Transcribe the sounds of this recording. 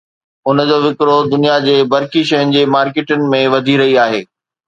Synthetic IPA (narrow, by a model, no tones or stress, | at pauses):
ʊnəd͡ʑoːʋɪkɾod̪ʊnijad͡ʑeːbɐɾkiʃɐɦənɪ̆d͡ʑeːmaːɾkeːʈʊnɪ̆mẽʋɐd̪ʱiɾɐɦiaːɦeː